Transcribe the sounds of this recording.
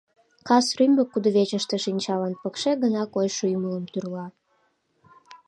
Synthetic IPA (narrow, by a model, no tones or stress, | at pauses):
kɑsrymbəkːud̪ə̆βet͡ɕəʃt̪ĕʃinʲt͡ɕɑlɑnpəkʃeɡənɑkojʃujumələmt̪yrlɑ